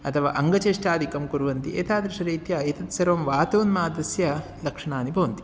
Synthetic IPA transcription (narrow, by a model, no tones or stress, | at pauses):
ɐt̪ʰɐʋa̰ːʔɐŋɡɐt͡ʃeːʂʈaːd̪ʱikɐmkuɾuʋɐnt̪iʔḛːt̪aːd̪ɾiʂɐɾiːt̪jɐːjt̪ɐt̪sɐɾʋɐmʋaːt̪oːnmaːd̪ɐsjɐ | lɐkʂɐɳaːnibʱɐʋɐnt̪i̥